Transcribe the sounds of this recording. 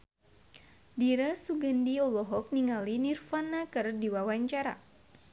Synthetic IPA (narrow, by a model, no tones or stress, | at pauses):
diɾasuɡəndiɔlɔɦɔk̚niŋalinirfanakərdiwawaɲt͡ʃaɾa̰